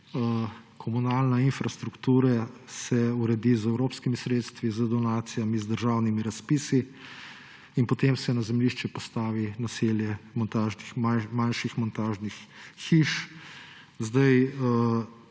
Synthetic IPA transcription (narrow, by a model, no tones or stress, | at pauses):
kʰɔmunaːlnainfɾast̪ɾukt̪uːɾasɛuɾɛd̪izɛwɾoːpskimisɾet̪st̪ʋizəd̪ɔnaːt̪sijamizd̪əɾʒawnimiɾaspiːsi | inpɔt̪emsɛnazɛmliʃt͡ʃɛpɔst̪aːʋinaseːljɛmɔnt̪aːʒnixmamanʃixmɔnt̪aːʒnixːiʃ | zd̪aj